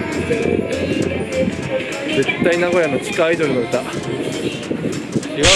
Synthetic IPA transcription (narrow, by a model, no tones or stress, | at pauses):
d͡ze̞t̪ːainaɡo̞jano̞t͡ɕi̥kaːid̪oɾʲinoɾet̪a | iɡa